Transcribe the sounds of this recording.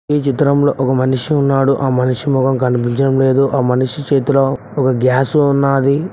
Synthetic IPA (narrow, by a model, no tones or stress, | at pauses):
iːt͡ʃit̪ɾɐmlo̞ːʔɔkɐmɐniʂiunːaːɽuʔaːmɐniʂimɔɡɐmkɐnipiɲt͡ʃɐɽɐmle̞ːd̪uʔaːmɐniʂit͡ʃeːt̪uloː | ɔkɐɡjaːsuunːaːd̪i